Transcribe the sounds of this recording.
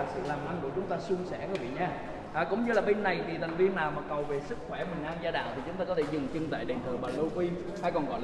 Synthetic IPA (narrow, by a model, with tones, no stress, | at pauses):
a˨˩sɨ̰˧˨laː˨˩mʔa˧ŋku˧˩ət͡ɕʊ˨˦ŋ͡mt̪aː˧sʊ˧ŋ͡msɛ˧˩kəː˨˧˦vḭ˧˨ɲaː˧ | haː˨˧˩kʊ̰˧˥ŋ͡mɲɨ˧laː˨˩ɓe˧nːa˨˩jt̪ʰi˨˩t̪ʰa˨˩jŋ̟vi˧ənnaː˨˩wmaː˨˩kə˨˩wve˨˩sɨ˦˥k̚xwɛ˧˩mï˨˩ŋ̟ʔaː˧nzaː˧ɗa̰ː˧˨ŋt̪i˨˩t͡ɕʊ˨˦ŋ͡mt̪aː˧kɔ˨˦t̪ʰe˧˩zɨ˨˩ŋt͡ɕɨ˧ŋt̪a̰ː˧˨jɗe˨˩nt̪ʰə˧˩ɓaː˨˩lə˧wkwi˧ | ha˧jkɔ˨˩nɣɔ̰˧˩l